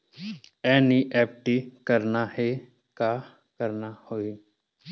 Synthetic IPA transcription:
ɛːniʔɛːpʈikəɾnahe | ka | kəɾnahoːi

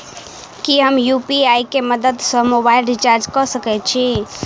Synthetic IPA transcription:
kiɦəmjupiaikeməd̪əd̪səmobailɖit͡ʃaɾd͡ʒkɔsəkɛt͡ʃʰi

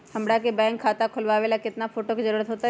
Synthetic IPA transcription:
hɐmɽakebɛ̃ːŋkʰːaːt̪akʰʊlʋaːʋelakɪt̪nafʰoːʈokizəɾuːɾət̪ɦoːt̪aɦ

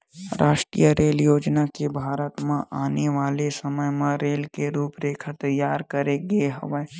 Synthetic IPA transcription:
ɾʔaːʃʈɾḭjəɾeːljoːd͡ʒnakebʱaːɾət̪mãʔaːneʋaːlesəməjmãɾeːlkeɾuːpɾeːkʰət̪ɐjːaːɾkəɾeɡeɦɐ̰ʋə

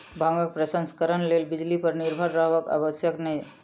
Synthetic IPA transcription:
bʱãŋɡək̚pɾəsə̃nskəɾənlelbid͡ʒlipəɾniɾbʱəɾːəɦʋəka̰bəsjəknəi

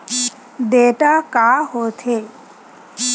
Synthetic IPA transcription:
ɖ̪eʈakaɦot̪ʰe

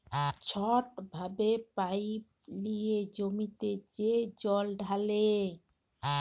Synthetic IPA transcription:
t͡ɕʰɔʈbʱabepaj | lijed͡ʑomit̪ed͡ʑed͡ʑɔlɖʱale

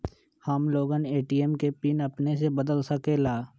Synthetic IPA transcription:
həmloːɡəneːʈiːemkepinəpnes̬ebəd̪əlsəkelaː

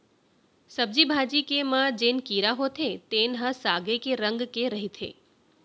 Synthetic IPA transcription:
səb̚d͡ʒibʱad͡ʒikemãd͡ʒenkiɾaɦot̪ʰet̪enɦãsaɡekeɾəŋɡkeɾəɦit̪ʰḛ

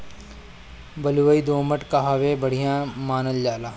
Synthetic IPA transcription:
bɐluʋəid̪oːməʈkaɦaʋebɐɽ̤ijãmaːnəld͡ʒaːlaː

